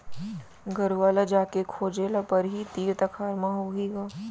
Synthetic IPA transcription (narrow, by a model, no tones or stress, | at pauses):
ɡʱɐɾʋaːlad͡ʒaːkekʰoːd͡ʒeːlapɐɾɦit̪iːɾt̪ɐkʰaːɾmaɦoɡeːɡaː